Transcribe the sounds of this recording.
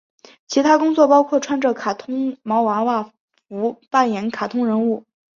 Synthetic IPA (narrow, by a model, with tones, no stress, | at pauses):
t͡ɕʰi˧˥t̪ʰa˥kʊ˥ŋt͡swɔ˥˩pɑ˥ʊkʰwɔ˥˩ʈ͡ʂʰwa˥nʈ͡ʂɤ˥˩kʰa˨˩t̪ʰʊ˥ŋmɑ˧˥ʊwa˧˥wa˥˩ | fu˧˥pa˥˩njɛ˧˥nkʰa˨˩t̪ʰʊ˥ŋɻə˧˥nu˥˩